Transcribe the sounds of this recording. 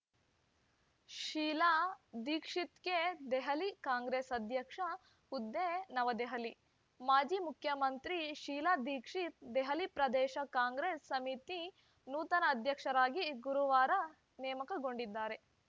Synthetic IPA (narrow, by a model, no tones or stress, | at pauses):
ʃiːlaːd̪iːkʂit̪ked̪ɛɦɐlikaːŋɡɾeːsɐd̪ʱjɐkʂɐ | ud̪ːenɐʋɐd̪eɦɐli | maːd͡ʒiːmukʰjɐmɐnt̪ɾiʃiːlaːd̪iːkʂit̪̚d̪ɛɦɐlipɾɐd̪ɛːʃɐkaːŋɡɾeːsːɐmit̪i | nuːt̪ɐnɐːd̪ʱjɐkʂɐɾaːɡiɡuɾuʋaːɾɐ | nɛːmɐkɐɡo̞ɳɖid̪ːaːɾe̞